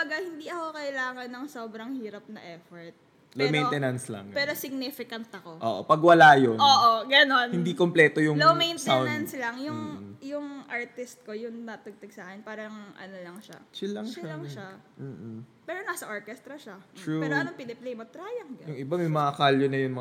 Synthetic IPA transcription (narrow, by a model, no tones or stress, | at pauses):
bɐɡahɪnd̪iɐkokɐʔɪlaːŋɐnːɐŋsoːbɾɐŋhiːɾɐp̚nɐʔɛːfoɹt̪̚ | lomejnt̪ɛnɐnslɐ̰ŋpɛːɾosɪɡ̚nifɪkɐnt̪̚ɐko̞ʔo̰ːʔo̰pɐɡwɐlajonoːʔoɡɐno̞nhɪnd̪ikomplɛt̪ojʊŋlomejnt̪aw̪ɐnslɐŋjʊŋjʊŋʔaɹt̪ɪst̪̚ko̞jʊŋnɐt̪ɐɡ̚t̪ɐɡ̚sɐʔaːkɛnpaːɾɐŋʔɐ̰nolɐŋʃa̰t͡ʃɪlɐŋt͡ʃlɐŋʃa | m̩ːpɛːɾonɐsɐʔoɹkɛst̪ɾɐʃat̪ɹuoɐnopɪnɛplejmot̪ɾaːjɐŋɡɐnjʊŋʔɪbamɛjmɐŋakaljonɐjʊŋmɐ